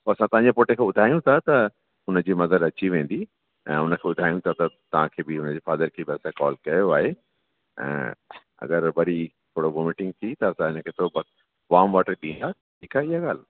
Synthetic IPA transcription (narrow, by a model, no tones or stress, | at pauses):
poɐsãt̪ɐʋɦãɲd͡ʑepoːʈẽkʰẽːɓʊd̪ʱaːjũt̪ʰat̪ɐ | ɦʊnəd͡ʑiːmɐzəɾɐt͡ɕiʋẽːn̆d̪i | ɛ̰̃ːʊnəkʰeːbʊd̪ʱaːjũt̪ʰat̪ɐt̪ɐʋ̤ãkʰeːbɪɦʊnəd͡ʑeːfaːd̪əɾkʰeːbɪɐsãkɔːlkɐjoaːɦe | ɛ̰̃ː | ɐ̰ɡəɾʋɐɾit̪ʰoːɽoɡomɪʈɪ̃ŋɡ̚t̪ʰit̪ɐɐsãɪnəkʰeːt̪ʰobɐ | ʋaːmʋaːʈəɗĩːnd̪a | ɪkaɪɦaɡaːl